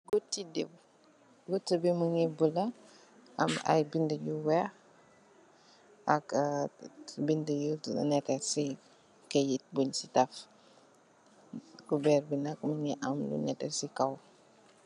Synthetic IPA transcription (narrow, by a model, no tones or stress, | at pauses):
ɡutːidḛb | ɡutːəbiməŋibulɐ | ɐ̰mɐ̰jbindəjuwɛ | ɐk | bindəjṵnɛkɛsi | kejit̚buɲsitɐf | kubɛːrbinɐkməŋɛʔɐmlṵɲɛtɛ̰sikɐw